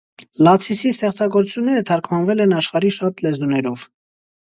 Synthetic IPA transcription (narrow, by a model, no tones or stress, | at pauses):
lɑt͡sʰisist̪ɛχt͡sɑɡɔɾut͡sʰjunːɛɾət̪ʰɑɾkʰmɑnvɛlɛnɑʃχɑɾiʃɑt̪lɛzunɛɾɔv̥